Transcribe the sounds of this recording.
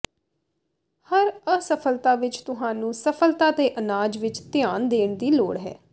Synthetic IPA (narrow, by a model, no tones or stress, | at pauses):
həɾəsəpʰəlt̪aːʋɪt͡ʃt̪ʊɦãːnũːsəpʰəlt̪aːt̪eːʔənaːd͡ʒʋɪt͡ʃt̪ɪjaːnd̪eːɳd̪iːloːɽɦɛ̰ː